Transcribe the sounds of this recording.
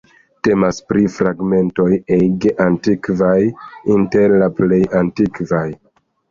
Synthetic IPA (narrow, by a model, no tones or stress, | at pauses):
te̞maspɾifɾaɡme̞nto̞jeɡeʔantikvajinte̞ɾlaple̞jantikvaj